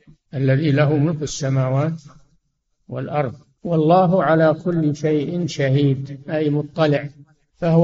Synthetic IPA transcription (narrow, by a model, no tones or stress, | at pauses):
ʔalːaðilaɦumʊlkɪsːamaːwaːt̪ | wɪ̰lʔɑɾˤðˤ | wɑlˤːɑːɦʊʕalaːkʰʊlːʃajʔɪnʃahiːd̪ʔajmʊt̪ˤːɑlɪʕ | fah